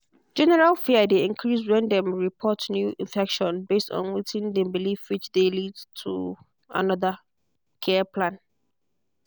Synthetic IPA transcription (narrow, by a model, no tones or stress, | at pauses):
d͡ʒɛnɛɹalfideĩŋkʰɹisɹɛ̃ndɛ̃mɹipʰɔtnjuʔĩɱfɛkʃɔ̃nbestɔ̰̃nwitʰĩndɛ̃mbilifwɪt͡ʃdelidtʰṵ | a̰nɔða | kʰɛpʰlãn